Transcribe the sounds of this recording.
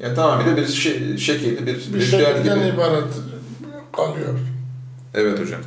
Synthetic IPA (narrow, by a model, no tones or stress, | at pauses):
jaːnit̪ʰamambid̪ɛbiɾʃeʃecʰilʲd̪ɛbiɾbid͡ʒaːt̪ɟibiibaːɾɛt̪ | alˠɯjoɾ | ɛvɛt̪od͡ʒa̰m